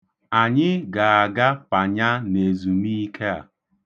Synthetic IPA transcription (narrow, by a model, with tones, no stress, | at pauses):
a˨ɲɪ˦ɡa˨a˨ɡa˦pa˨ɲa˦ne˨zu˨mi˦i˦kʰe˦a̰˨